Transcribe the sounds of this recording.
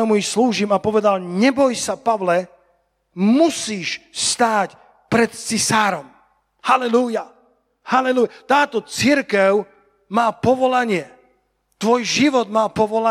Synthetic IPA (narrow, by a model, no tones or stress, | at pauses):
ɛmuixsluːʒiːmapɔʋɛd̪alɲɛbɔjsapaʋlɛ | musiːʃst̪aːc | pɾɛt̪t͡sisaːɾɔm | halɛluja | halɛlujat̪aːt̪ɔt͡siɾkɛʊ | maːpɔʋɔlaɲɪɛ | t̪ʋɔjʒiʋɔd̪maːpɔʋɔla